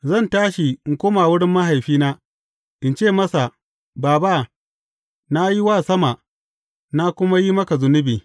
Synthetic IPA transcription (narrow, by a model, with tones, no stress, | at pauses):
zɐ˦˨ntaː˦ʃi˨ɪ˨ŋ˨kʷoː˦maː˨wʊ˦ɽɪ˦mːɐ˦ɦa˨jɸiː˦naː˦ | ʔɪ˨nt͡ʃeː˦˨mɐ˦sa˨ | baː˨ba˦˨ | na˦ji˦waː˦˨sɐ˦ma˨ʔ | na˦kʷʊ˦ma˦ji˦mɐ˦ka˨zʊ˨nʊ˦biː˨